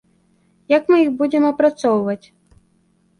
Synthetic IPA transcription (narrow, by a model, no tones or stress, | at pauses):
jakmɨixbud͡zʲɛmɐpɾat̪sɔwvɐt͡sʲ